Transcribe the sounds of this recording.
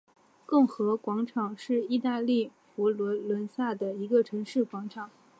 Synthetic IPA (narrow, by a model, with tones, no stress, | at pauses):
kɤ˥˩ŋxɤ˧˥kwɑ˧˥ŋʈ͡ʂʰɑ˨˩ŋʂɻ̩˥˧i˥˧t̪a˥˧li˥˩fu˧˥lwə˧˥nlwə˧˥nsa˥˩d̪ə˩i˧˥ɡə˧ʈ͡ʂʰɤ˧˥ŋʂɻ̩˥˩kwɑ˧˥ŋʈ͡ʂʰɑ˨˩˦ŋ